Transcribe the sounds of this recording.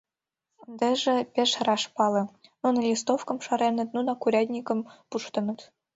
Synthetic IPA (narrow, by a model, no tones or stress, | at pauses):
nd̪eʐɘ̆pʲeʃrɑʂpɑlˠɤ̆nonɤlʲist̪ofkɤ̆mʃɑɾenɤ̆t̪̚nunɑkuɾʲɑd̪ʲnʲikɤ̆mpuʃt̪ɤ̆nɤ̆t̪